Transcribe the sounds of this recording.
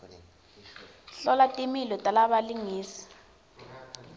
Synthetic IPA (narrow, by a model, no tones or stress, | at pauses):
ɬɔlatʼimilɔtʼalaɓaliŋiːsi̥